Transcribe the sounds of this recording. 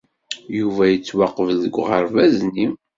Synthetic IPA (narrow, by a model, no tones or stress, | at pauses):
juvæjət͡sːwɑqəvðəɡʷʁəɾˤvæzni